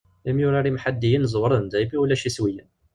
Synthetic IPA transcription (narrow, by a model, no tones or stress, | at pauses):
æmjʊɾaɾimħad̪ːijənzˤwɾˤənd̪æjbiulæʃiswijən